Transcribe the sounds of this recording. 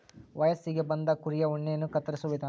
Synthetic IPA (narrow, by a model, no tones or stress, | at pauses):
ʋɐjɐsiɡe̞bɐnd̪ɐkuɾijɐuɳːejɐnːukɐt̪ːɐɾisuʋid̪a